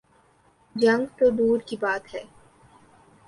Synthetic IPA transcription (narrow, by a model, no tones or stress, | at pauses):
d͡ʒɐ̃ŋɡt̪od̪uːɾkibaːt̪ɦɛː